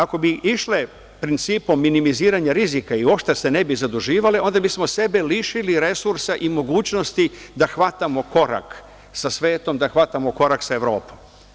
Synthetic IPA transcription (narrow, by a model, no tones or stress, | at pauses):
ako̞biʔiʃle | pɾint̪siːpo̞mːinimiziːɾaɲaɾizikaio̞pʃt̪ase̞ne̞bizad̪uʒiːʋaleo̞nd̪abismo̞se̞beliʃiliɾe̞suɾsaʔimo̞ɡuːt͡ɕno̞st̪id̪axʋat̪amo̞ko̞ɾa̰k | sasʋe̞ːt̪o̞md̪axʋat̪amoko̞ɾaksaeʋɾo̞ːpo̥m